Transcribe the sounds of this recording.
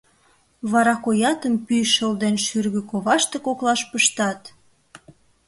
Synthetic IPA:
βɑɾɑkojɑt̪əmpyʃəld̪enʃyrɣøkoβɑʃt̪ekoklɑʃpəʃt̪ɑt̪

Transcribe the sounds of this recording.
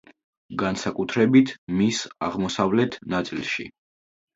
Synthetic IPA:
ɡansakʼut̪ʰɾɛbit̪ʰmisa̰ʁmɔsavlɛt̪ʰnat̪sʼilˠʃḭ

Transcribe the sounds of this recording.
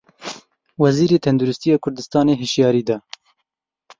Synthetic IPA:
wɛziːɾeːt̪ʰɛnd̪uɾɪst̪ijɑːkʰʊɾd̪ɨst̪ɑːneːɦɨʃjɑːɾiːd̪ɑː

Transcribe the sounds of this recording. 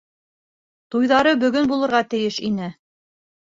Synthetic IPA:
t̪ujðɑɾɤbɵ̆ɡɵnbulˠɤ̆ɾʁɑt̪ɘ̆jɘʃinɘ

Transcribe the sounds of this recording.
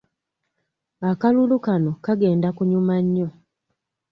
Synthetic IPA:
akalulukano̞kaɡe̞ːndakuɲumaɲːo̞

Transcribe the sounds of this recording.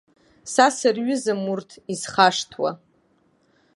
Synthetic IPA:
sasɨrɥʏzɨmurtʰizχaʂtʰwa̰

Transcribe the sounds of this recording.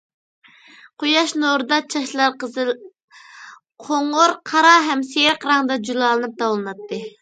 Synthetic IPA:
qojɑʃnoɾɨd̪ɑt͡ʃʰɑʃlˠɑɾ | qʰoŋʊɾqʰɑɾɑɦɛmsejɾqɾɑŋd̪ɑd͡ʒulˠɑːlˠɨnɨp̚t̪ɑwlˠɨnɑt̪ːɨ

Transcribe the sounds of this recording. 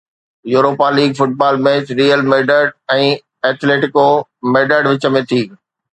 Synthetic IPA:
juːɾoːpaliːɡfʊʈ̚baːlmeːt͡ɕɾiːəlmeːɖəɖɛ̃ː | ɛːt̪ʰleːʈɪkomeːɖəɖʋɪt͡ɕə̆mẽt̪ʰiː

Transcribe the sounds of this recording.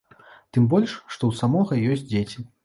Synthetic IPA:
t̪ɨmbɔlʲʂːt̪ɔwsamɔɣɐjɔsʲt͡sʲd͡zʲet͡sʲi

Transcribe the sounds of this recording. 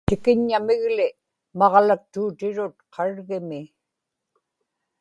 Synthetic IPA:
t̪ɪkɪɲːamɪɣlɪ | mɑʁlak̚t̪uːt̪ɪɻʊt̪̚qʰɑɻɣɪmɪ

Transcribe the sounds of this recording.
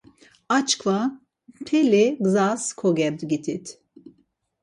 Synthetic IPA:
at͡ʃkva | t̪ʰɛliɡzaskʰɔɡɛb̪ɡit̪ʰit̪ʰ

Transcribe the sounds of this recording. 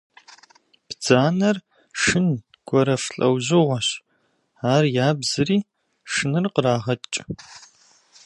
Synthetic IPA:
b̥d͡zaːnɐr | ʂɨn | ɡ̥ʷɔɾɐfɬʼɐwʑɪʁʷɔɕ | aːrjaːbzɨriː | ʂɨnɨrqəraːʁɐtʼt͡ʃʼ

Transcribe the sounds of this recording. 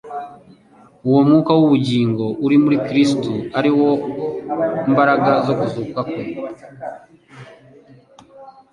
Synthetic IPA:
uwo̞mŋuːkawuβuɟiːŋɡo̞uɾimuɾikɾistuaɾiwo̞ | imbaɾaɡazo̞kuzukakwe

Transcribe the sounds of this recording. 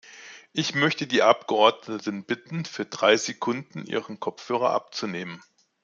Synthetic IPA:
ʔɪçmœçtədiːʔap̚ɡ̥əʔɔɐdnətən̩b̥ɪtn̩fyːɐdʁaɪzekʰʊndn̩ʔḭːʁənkʰɔp͡fhøːʁ̞ɐ̰ʔa̰p̚t͡suneːmən

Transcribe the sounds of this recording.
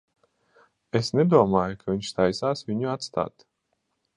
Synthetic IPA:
esnɛd̪uɔmaːjukʰavʲiɲʲʃst̪ajsaːsvʲiɲuat̪st̪a̰ːt̪

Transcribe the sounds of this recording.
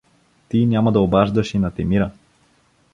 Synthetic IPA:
t̪inʲjamɐd̪ɐobaʒd̪əʃinɐt̪ɛmiɾə

